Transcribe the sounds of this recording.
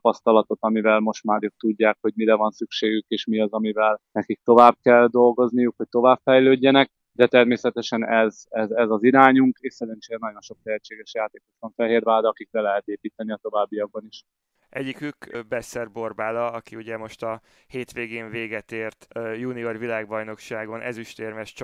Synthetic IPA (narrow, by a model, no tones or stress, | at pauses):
pɒst̪ɒlɒt̪o̞t̪ɒmivɛlmo̞ʃt̪maːɾøːk̚t̪uɟːaːkho̞ɟmiɾɛvɒnsykʃeːɡykeːʃmiɒzɒmivɛlnɛkik̚t̪o̞vaːb̚kɛld̪o̞lɡo̞znijukhoc̚ʲt̪o̞vaːbfɛjløːɟːɛnɛk̚ | d̪ɛt̪ɛrmeːsɛt̪ɛʃɛnɛzɛzɛzɒziɾaːɲuŋkeːʃsɛɾɛnt͡ʃeːɾɛnɒɟo̞nʃo̞k̚t̪ɛɦɛt͡ʃːeːɡɛʃjaːt̪eːko̞t̪ʋɒɱfɛɦeːrvaːld̪ɒkik̚bɛlɛɦɛt̪eːpiːt̪ɛniɒt̪o̞vaːbːijɒɡ̚bɒniʃ | ɛɟːikykbɛsɛrbo̞rbaːlɒɒkiuɟɛmo̞ʃt̪ɒ | heːt̪ʋeːɡeːnveːɡɛt̪eːrt̪juːniorvilaːɡbɒjno̞kʃaːɡo̞nʔɛ̰ziʃt̪eːrmɛʃt͡ʃ